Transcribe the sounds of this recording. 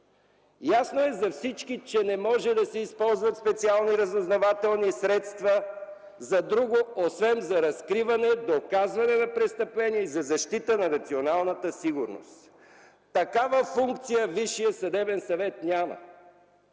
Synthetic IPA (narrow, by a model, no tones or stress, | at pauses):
jasnoɛzɐfsit͡ʃkit͡ʃɛnɛmɔʒɛd̪ɐsɛispɔlˠzvɐt̪spɛt̪sialˠniɾɐzʊznɐvat̪ɛlˠnisɾɛt̪st̪və | zɐd̪ɾuɡoosvɛmzɐɾɐskɾivɐnɛd̪okazvɐnɛnɐpɾɛst̪əplɛniɛizɐzɐʃt̪it̪ənɐnɐt̪sionalˠnət̪əsiɡʊɾno̰st̪ | t̪ɐkavəfuŋk̚t̪sijəviʃijəsɐd̪ɛbɛnsɐvɛt̪nʲamə̰